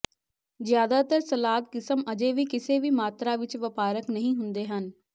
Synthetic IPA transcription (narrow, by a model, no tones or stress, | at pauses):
zjaːd̪aːt̪əɾsəlaːt̪̚kɪsəməd͡ʒeːʋiːkɪseːʋiːmaːt̪ɾaːʋɪt͡ʃʋəpaːɾəknəɦĩːɦʊnd̪eːɦən